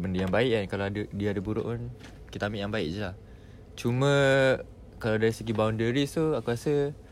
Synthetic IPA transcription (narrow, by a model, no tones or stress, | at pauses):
bəndəjaŋbaɪʔankalaadədiaadəbuɾʊ̰ʔn | kit̪amiʔjaŋbaɪʔd͡ʒəlah | t͡ʃumə̃ | kalawdaɾisəɡibawndəɾist̪uakuɾasə